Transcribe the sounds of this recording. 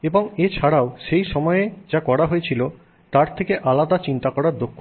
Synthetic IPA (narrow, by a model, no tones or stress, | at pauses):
eboŋet͡ɕʰaɽaoʃejʃɔmɔed͡ʑakɔɽaɦojet͡ɕʰilo | t̪aɾt̪ʰekeʔalad̪at͡ɕint̪akɔɽaɾd̪okʰː